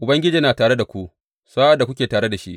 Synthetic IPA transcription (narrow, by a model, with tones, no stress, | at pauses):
ʔʊ˨bɐ˦ŋɡʲɪ˦d͡ʒiː˦naː˨taː˨ɽe˦da˨kʷu˦ʔ | saː˦ʔa˦da˨kʷʊ˦kʲeː˨taː˨ɽe˦da˨ʃḭ˦ʔ